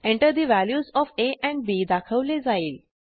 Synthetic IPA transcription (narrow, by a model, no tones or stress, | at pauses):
ẽɳʈəɾd̪iʋæljuːzɔːfeʔɛ̃ɳɖ̚biːd̪akʰəʋled͡zaiːl